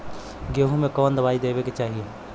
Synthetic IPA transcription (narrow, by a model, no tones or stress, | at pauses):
ɡeːɦũmẽkɔːnd̪ɐbaːid̪eːbeket͡ʃaːɦie